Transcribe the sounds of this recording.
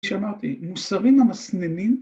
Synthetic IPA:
ʃamaʁt̪ḭmusaʁimamasnenim

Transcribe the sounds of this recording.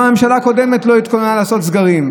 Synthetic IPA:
ame̞mʃalako̞de̞me̞tlo̞it̪konnalaːso̞t̪zɡaʁim

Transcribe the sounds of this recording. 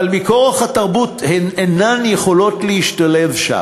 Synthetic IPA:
almikoaχhatɐʁbuthenenanjeχo̞lo̞tleiʃtale̞vʃa̰

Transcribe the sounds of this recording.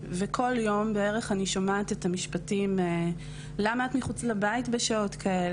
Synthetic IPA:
vekʰo̞ljo̞mbeeʁeχaniʃomaːtetamiʃpatime | lamatmiχut͡slabaitbeʃao̞tkʰael

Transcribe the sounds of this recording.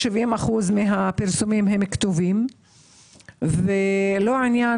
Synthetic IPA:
ʃivimaχuzmiɦapiʁsumimɦemkt̪ovim | velo̞inja

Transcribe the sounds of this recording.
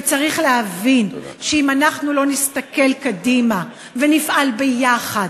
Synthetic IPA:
t͡saʁiχlehavinʃeimanaχnulo̞nist̪ake̞lkadima | venifʔalbejaχad

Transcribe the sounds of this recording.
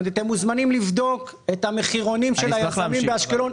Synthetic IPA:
d̪at̪emːuzmanimlivd̪o̞ket̪hameχiʁo̞nimʃelajamimbeaʃkelo̞n

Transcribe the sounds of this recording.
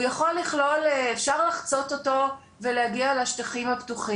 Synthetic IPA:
jaχo̞lːiχlo̞lefʃaʁlaχt͡so̞toto̞ | veleaɡialeaʃt̪aχimhaptuχi

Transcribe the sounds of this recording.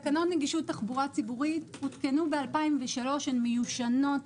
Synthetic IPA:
kanotneɡiʃutːaχbuʁat͡sibuʁithut̪kenubealpaimveʃalo̞ʃenmejuʃano̞t

